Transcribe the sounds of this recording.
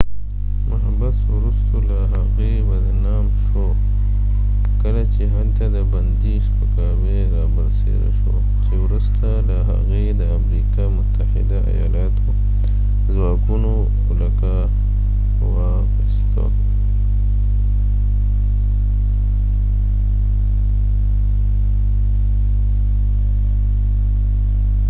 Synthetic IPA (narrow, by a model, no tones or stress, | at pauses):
mʊɦabaswɾust̪olaɦaɣebad̪ənɑmʃo | kəlat͡ʃeɦalt̪ad̪əband̪iʃpəkɑbe | ɾɑbaɾsḛd̪a̰ʃo̰ | t͡ʃewɾust̪alaɦa̰ɣed̪əamɾikɑmʊt̪ahɪ̰d̪aa̰jɑ̰lɑt̪ʰo | zwɑkuno | ʊlaka | wɑ | xəst̪ʰa̰